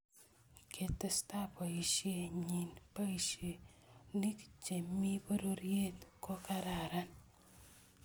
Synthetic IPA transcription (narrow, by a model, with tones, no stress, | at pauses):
kʰe˨te˦sta˦pa˨i˨ʃje˦ɲi˨npa˦i˨ʃje˨ni˦kt͡ʃe˨mi˦po˦ɾo˦ɾje˦tko˦ka˦ɾa˨ɾa˦n